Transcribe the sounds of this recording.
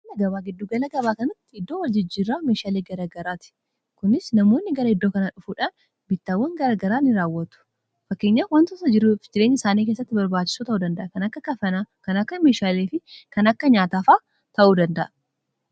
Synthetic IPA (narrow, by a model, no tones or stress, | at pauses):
ɐlɐɡɐβaːɡɪd̪ːuːɡɐlɐɡɐβaːkɐnɐt̪ːɪɪd̪ːoːwɐld͡ʒɪd͡ʒːiːrːaːme̞ːʃaːleːɡɐɾaɡɐɾaːt̪ɪ̥ | kʊnɪsnɐmoːnːɪɡɐɾɐɪd̪ːo̞ːkɐnaːᶑʊfuːᶑaːn | bɪt̪ːaːwːɐŋɡɐɾaːɡɐɾaːnɪɾaːwːɐt̪ʊ̥ | fɐkːeːɲːawɐnt̪ɔsɐd͡ʒɪɾuːfd͡ʒɪɾeːɲːɐɪsaːniːk̬e̞ːsːɐt̪ːɪbɐɾbaːt͡ʃːɪ̥suːt̪ɐʔuːd̪ɐnd̪ɐʔɐkɐnɐkːɐkɐfɐnaːkɐnɐkːɐmeːʃaːleːfɪkɐnɐkːɐɲaːt̪aːfaː | t̪ɐʔuːd̪ɐnd̪ɐʔɐ̥